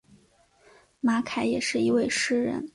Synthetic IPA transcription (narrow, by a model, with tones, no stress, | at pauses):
ma˧˥kʰa˨˥ɪjɛ˨˩ʂɻ̩˥˩i˧˥we˥˧ɪʂɻ̩˥˩ɻə̰˧˥n